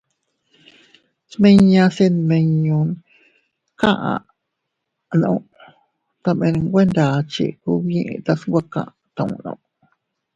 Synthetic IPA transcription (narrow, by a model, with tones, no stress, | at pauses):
smẽ˦ɲã˧se˧nmẽ˧ɲũ˧n | kã˦ʔã̰˨ | nã̰˧˨ | t̪a˧mẽ˧nɡʷe˦nd̪a˨t͡ʃḭ˧˨ku˧βjĩ˦ʔt̪a˧sŋɡʷa˦kã̰˧ʔ | t̪ã˧ṵ̃˧nã̰˧˨